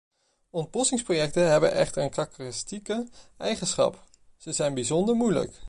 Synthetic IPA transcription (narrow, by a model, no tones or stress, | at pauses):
ɔnt̚bɔsɪŋsprojɛk̚təɦɛbənʔɛ̰χtəɹənkɑkərɪstikəɛjχənsχɑ̰p | z̥əzɛjnbizɔndəɹmujlə̰k